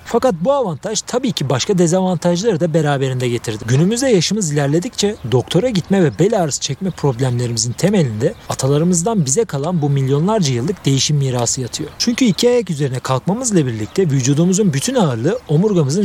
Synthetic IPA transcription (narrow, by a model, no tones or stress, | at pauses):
fakat̪̚buavant̪ʰaʒt̪ʰabiːcʰibaʃkʰad̪ezavant̪ʰaʒlˠaɾɯd̪abe̞ɾaːbe̞ɾind̪ɛɟe̞t̪ʰiɾd̪iɟynymyzd̪ɛjaʃɯmɯzilʲæɾlʲe̞d̪ict͡ʃʰɛd̪o̞kt̪ʰo̞ɾaɟit̪mɛvɛbelʲaːɾsɯ̥t͡ʃʰɛcmɛpʰɾo̞blʲæmlʲe̞ɾimizint̪ʰe̞me̞lʲind̪ɛat̪ʰalˠaɾɯmɯzd̪anbizɛkʰalˠanbumilʲjo̞nlˠaɾd͡ʒajɯlˠːɯk̚d̪e̞jiʃimːiːɾaːsɯjat̪ʰɯjo̞t͡ʃʰyɲcʰyicʰiajacyze̞ɾinɛkʰalˠkmamɯzlˠabiɾlʲic̚t̪ʰɛvyd͡ʒuːd̪umuzunbyt̪ʰynaɯɾlˠɯo̞muɾɡamɯzɯn